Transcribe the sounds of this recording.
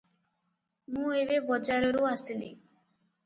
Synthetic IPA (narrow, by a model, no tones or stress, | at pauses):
mũeβebɔd͡ʒaɾɔɾuasilḭ